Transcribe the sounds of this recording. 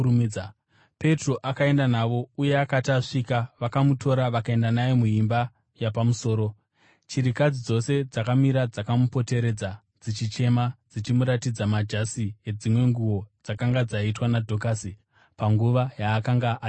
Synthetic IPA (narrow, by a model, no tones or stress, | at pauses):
pe̞tro̞ʔakae̞ndanaʋo̞ujeakataʂikaʋakamuto̞ɾaʋakae̞ndanajomuɦimba | japamuso̞ːɾo̞ | t͡ʃiɾikad͡zid͡zo̞se̞d͡zakamiɾad͡zakamupo̞te̞ɾe̞d͡za | d͡zit͡ʃit͡ʃe̞mad͡zit͡ʃimuɾatid͡zamad͡ʒasije̞d͡zimwe̞ŋɡuwo̞d͡zakaŋɡad͡zaitwanadʱo̞kasi | paŋɡuʋajaːkaŋɡaʔa